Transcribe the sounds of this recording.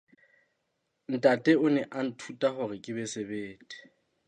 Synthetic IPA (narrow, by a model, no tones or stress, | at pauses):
n̩tʼatʼɛʊnɛʔan̩tʰutʼaχʊrɪkʼɪbɛsebeːtʼɪ̥